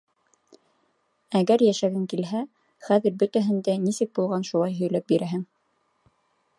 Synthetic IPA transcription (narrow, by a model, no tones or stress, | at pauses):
æɡæɾjæʃæɡɘŋkilɦæ | χæðɘ̆ɾbɵ̆t̪æɦɘ̆nd̪ænisɘk̚bulˠʁɑnʃulˠɑjɦɵ̆jlæp̚biɾæɦɘŋ